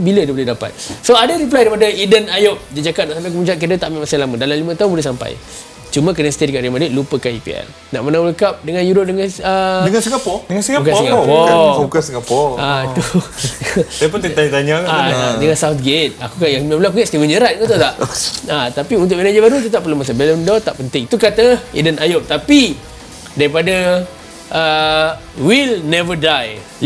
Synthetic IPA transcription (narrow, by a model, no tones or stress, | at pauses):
bilədəboledapa̰t̪̚soadaɾip̬lajdaɾipadəidənajop̚d͡ʒəd͡ʒakat̪̚naʔsampakumut͡ʃaʔ̚k̬idət̪aʔmĩʔmasalamə̃dalamlimə̃t̪aʊnbulehsampa̰j | t͡ʃumə̃k̬ənəst̪edkaʔɾimadiʔ̪̚lupəkanipḭɛ̰l | na̰ʔmənawuləkap̚dəŋãnjuɾop̚dəŋãnədəŋansiŋɡapɔdəŋansiŋɡaukasiŋɡaɔpɔbukansiŋɡapɔat̪u | p̬ʊt̪ət̪aɲat̪aɲakaadəŋãnsawt̪̚ɡet̪̚akukajaŋmablaakuɲaʔst̪iwənd͡ʒəɾat̪̚kat̪at̪aʔat̪apiunt̪̬ʊʔminad͡ʒəbaɾut̪̬ət̪apːəlomas̬abɛləmndɔt̪aʔpənt̪ɪŋit̪ukat̪əḭdənajop̚t̪api | daɾipada | ʔə | wilnɛvədaj